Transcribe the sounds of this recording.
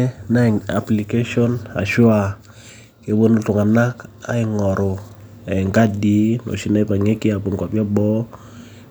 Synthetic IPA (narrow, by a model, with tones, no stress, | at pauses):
ɛ˦na˦˨ŋa̰˨pli˨ke˦ʃɔ˦na̰˨ʃwa˦˨ | ke˨˦bo˦no˦tʊ˨ŋa˨na˦ka̰˦ɪ˦ŋɔ˨ɾo˨ | ɛ˨ɪ˨ŋka˦di˦no̰˨ʃi˦na˦i˦pa˨ŋe˦ki˦a˨po˨ŋka˨pja˦bɔ˦